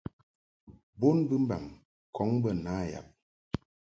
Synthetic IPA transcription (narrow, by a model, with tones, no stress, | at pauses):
bo˦nbɨ˦m̩˦ba̰˨m | kʰɔ˨˦ŋbə˦˨na˨˦˨ja̰˨p̚